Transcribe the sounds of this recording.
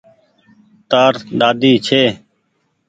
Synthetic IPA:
t̪aːɾɗaːd̪iːt͡ʃʰeː

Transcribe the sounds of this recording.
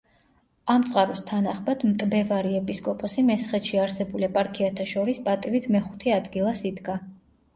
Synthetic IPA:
amt̪sʼqʼaɾust̪ʰanaχmad̪mt̪ʼbɛvaɾiɛpʼiskʼɔpʼɔsimɛsχɛt̪ʃiaɾsɛbulipʼaɾkʰiat̪ʰaʃɔɾispʼat̪ʼivit̪ʰmɛχu̥t̪ʰɛad̪ɡilˠasid̪ɡa

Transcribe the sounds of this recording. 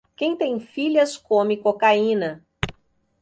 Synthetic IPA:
kẽj̃t̪ẽj̃fiʎɐskõmɪkokaĩnɐ

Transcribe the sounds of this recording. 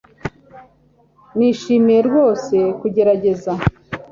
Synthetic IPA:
niːʃiːmijeɾɡwo̞ːse̞kuɟe̞ɾaɟe̞za

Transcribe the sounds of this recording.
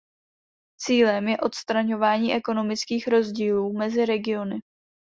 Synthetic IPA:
t͡siːlɛmjɛʔo̞t̪st̪ɾaɲo̞vaːɲiːʔɛko̞no̞mɪt͡skiːxɾo̞zɟiːluːmɛzɪɾɛɡɪo̞nɪ

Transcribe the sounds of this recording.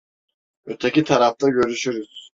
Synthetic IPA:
øt̪ʰɛcʲit̪ʰaɾaft̪aɟø̞ɾyʃyɾyz̥

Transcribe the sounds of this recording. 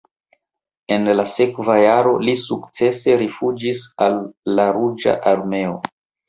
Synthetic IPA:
e̞nlase̞kvajaɾo̞lisukt͡se̞se̞ɾifud͡ʒisalːaɾud͡ʒa̰ʔaɾme̞o

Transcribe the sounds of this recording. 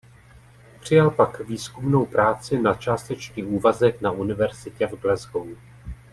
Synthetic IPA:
pr̝̥ɪjalpakviːskumno̞wpɾaːt͡sɪnat͡ʃaːst̪ɛt͡ʃɲiːʔuːvazɛknaʔunɪvɛɾz̥ɪcɛvɡlɛzɡow

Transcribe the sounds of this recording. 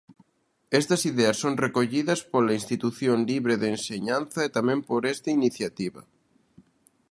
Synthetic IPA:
ɛst̪ɐsiðeɐsːoŋrekoʎiðɐspolainst̪it̪uθjoŋliβɾeðeenseɲanθɐet̪amɛ̃mpoɾɛst̪ɐiniθjat̪iβɐ

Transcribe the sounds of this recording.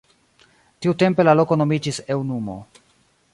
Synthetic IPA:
tiute̞mpe̞lalo̞ko̞no̞mid͡ʒise̞wnumo̞̰

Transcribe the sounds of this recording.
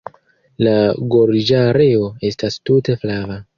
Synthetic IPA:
laɡo̞ɾd͡ʒaɾeo̞e̞stastute̞flava

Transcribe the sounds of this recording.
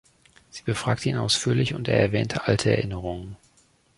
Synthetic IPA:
z̥iːbəfʁ̥aːk̚tʰəiːnʔa̰ʊsfyːɐlɪçʊnteːɐɛɐvɛːntʰəʔaltʰəɛ̰ɐʔɪnəʁʊŋən

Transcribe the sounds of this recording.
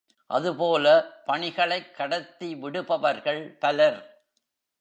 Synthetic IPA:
ʔɐðɯpoːlɐpɐɳɪɣɐɭɐɪkːɐɽɐt̪ːiʋɪɽɯpɐʋɐɾɣɐɭp̪ɐlɐɾ

